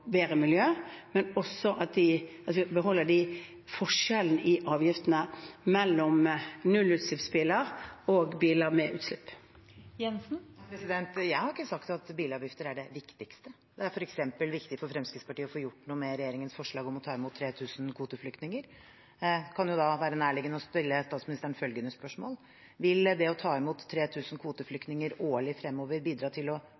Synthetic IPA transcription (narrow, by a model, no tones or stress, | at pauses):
beːʁəmɪljøːmɛnɔsːɔʔɑt̪̚d̪ɪɑt̪ʋɪbəɦɔlːəɖɪ | fɔʂɛln̩ʔɪʔɑːʋjɪft̪nəmɛlːɔmnʉlʉːt̪slɪpsbiːləɾoːɡbiːləɾmɛʔʉːt̪slɪpː | jɛnsn̩ɾɛsɪd̪ɛnt̪jæɪhɑɾɪkːəsɑkt̪ɑt̪biːləɑːʋjɪft̪əɾæɖɛʋɪkt̪ɪkst̪ə | d̪ɛæɾfɔɾɛksɛmpəlʋɪkt̪ɪfɔɾfɾɛmskɾɪt̪spʰɑʈiːəɔfoːjʊʈːnuːəmɛɾɛjeːɾɪŋənsfɔʂɭɑːɡɔmɔt̪ʰɑːɪmuːt̪ʰːɾeːt̪ʰʉːsn̩kʰʋuːt̪əflʏkt̪nɪŋəɾ | kʰɑnjʊd̪ɑʋæːɾənæːɭɪɡənəɔspɪlːəst̪ɑːt̪smɪnɪst̪æːɳnfœlɡənəspœʂmo̰ːl | ʋɪld̪ɛɔt̪ʰɑːɪmuːt̪ʰːɾeːt̪ʰʉːsn̩kʰʋuːt̪əflʏkt̪nɪŋəɾoːɭɪfɾɛmːoːʋəɾbiːd̪ɾɑːt̪ʰɪlɔ